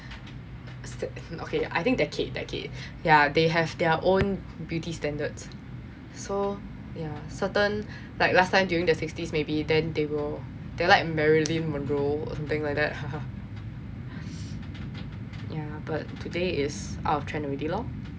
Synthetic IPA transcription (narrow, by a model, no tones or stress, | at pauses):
sokʰea̰jθɪ̃ŋk̚dɛt̚kʰet̚dɛ̰t̚kʰḛt̚ | jadeɦɛvdɛəʔõn | bjutistɛ̃ndədsː | o | jasətə̃n | laɪk̚lastʰãɪmdjuɹĩŋdəsɪkstismebidɛ̃ndewɪl | d̥elaɪk̚mɛɹilĩnmɔ̃ndɹoɔ̰sãmt̪ɪ̃ŋlajk̚dɛ̰t̚ | ja | b̥at̚tʰːudeɪtsa̰ʊtʰɹɛ̃nəɹedilɔ